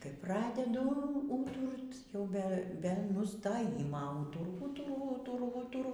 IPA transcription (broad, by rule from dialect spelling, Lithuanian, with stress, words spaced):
kɐɪ ˈprɑːdʲɛdʊ uː ˈuːtʊrt jɛʊ ˈbʲɛ bʲɛ nʊstoːˈjɪmɐ ˈuːtʊrʊ ˈuːtʊrʊ ˈuːtʊrʊ ˈuːtʊrʊ